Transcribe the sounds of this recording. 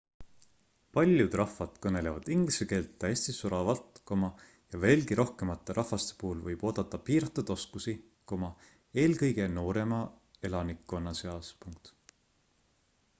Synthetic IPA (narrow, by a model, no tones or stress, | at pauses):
pɑlʲjud̪̥rɑfːɑd̪̥kɤne̞le̞vɑd̪̥iŋɡ̥liseke̞ːlt̪ːæeːsʲt̪isuɾɑvɑlt̪ˑkomɑ | jɑve̞ːlɡiɾʔo̞hke̞mɑt̪ˑːe̞ɾʔɑhfɑst̪e̞̥puːulvɤjb̥o̞ːd̪̥ɑt̪ːˑɑpiːɾɑt̪ːˑud̪̥o̞skusi | ko̞mɑ | e̞ːlkɤjɡ̥e̞no̞ːɾe̞mɑ | e̞lɑnikːˑo̞nːɑse̞ɑspuŋk̚t̪